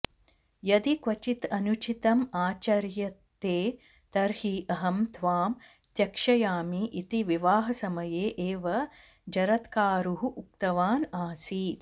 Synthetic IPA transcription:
jɐd̪ikʋɐt͡ʃit̪ɐnut͡ʃit̪ɐmaːt͡ʃɐɾjɐt̪ːeː | t̪ɐɾhiʔɐɦɐmt̪ʰʋaːm | t̪jɐkʂɐjaːmiʔit̪iʋiʋaːɦɐsɐmɐjeːʔeːʋɐ | d͡ʒɐɾɐt̪kaːɾuɦuʔuk̚t̪ɐʋaːnaːsiː

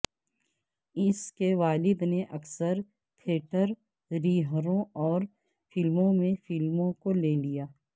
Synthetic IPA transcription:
ɪskeʋaːlɪd̪neʔɐksəɾ | k̪ʰeːʈəɾ | ɾiːɦɾõɔːɾ | fɪlmõmẽfɪlmõkoleːlijaː

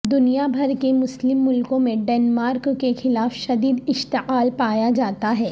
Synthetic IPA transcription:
d̪ʊnijabʱɐɾkemʊslɪmːʊlkõmẽɖɛːnmaːɾkːexɪlaːfʃɐd̪iːd̪ɪʃt̪ɪqaːlpaːjad͡ʒaːt̪aɦɛː

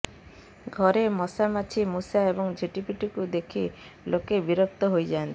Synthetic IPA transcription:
ɡʱɔɾemɔsamat͡ʃʰimusaebɔŋd͡ʒʱiʈipiʈikud̪ekʰi | lokebiɾɔk̚t̪ɔɦojd͡ʒant̪i

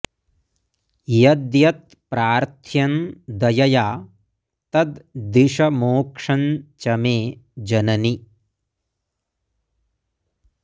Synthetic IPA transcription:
jɐd̪jɐt̪̚ | pɾaːɾt̪ʰjɐnd̪ɐjɐjaː | t̪ɐd̪d̪iʂɐmoːkʂɐnt͡ʃɐmeːd͡ʒɐnɐni

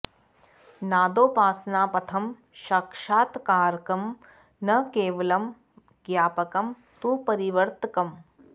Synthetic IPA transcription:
naːd̪oːpaːsnaːpɐt̪ʰɐm | ʃɐkʂaːt̪kaːɾkɐm | nɐkeːʋɐlɐm | ɡjaːpɐkɐm | t̪upɐɾiʋɐɾt̪kɐm

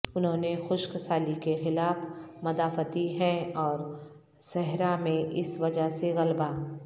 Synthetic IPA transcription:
ʊnɦõːnexʊʃkəsaːlikexɪlaːfmɐd̪aːfət̪iɦɛ̃ɔːɾ | sɛɦɾamẽʔɪsʋɐd͡ʒaɦseɣɐlbaː

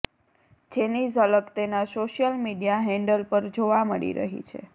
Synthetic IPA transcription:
d͡ʒenizələkt̪enasoʃjəlmiɖijaɦɛ̃ɳɖəlpəɾd͡ʒoʋaməɭḭɾə̰ɦḭt͡ʃʰḛ

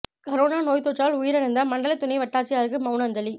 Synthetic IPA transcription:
kɐɾoːnaːnoːjt̪oːt͡ʃːaːlʊjɪɾɐɾɯnd̪ɐmɐɳɖɐlɐt̪ːʊnɐɪʋɐʈːaːɾt͡ʃːɪjaːɾɯkːɯmɐʊnɐnd͡ʒɐli

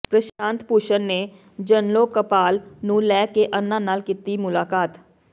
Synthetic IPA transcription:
pɾəʃãːnt̪puːʃənneː | d͡ʒənloːkəpaːlnũːlɛːkeʔənːãːnaːlkɪt̪imʊlaːkaːt̪

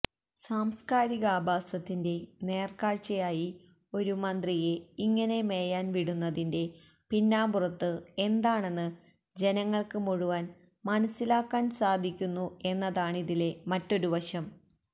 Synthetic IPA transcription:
saːmskaːɾiɣɐaːbʱaːsɐt̪ːinde̞ne̞ːrkaːɻt͡ɕɐjaːji | o̞ɾumɐnd̪rije̞iŋːɐne̞me̞ːjaːnʋiɽunːɐðinde̞ | pinːaːburɐt̪ːɨe̞nd̪aːɳe̞nːɨ | d͡ʑe̞nɐŋːɐɭkɨmuɻuʋaːn | mɐnɐsːilaːkːaːnsaːd̪ʱikʲːunːue̞nːɐðaːɳiðile̞mɐtːo̞ɾuʋɐɕɐm

